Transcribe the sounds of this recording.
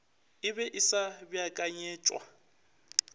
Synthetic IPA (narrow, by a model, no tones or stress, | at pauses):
ɪbɛʔɪsabjakʼaɲɛːt͡ʃʼwa̰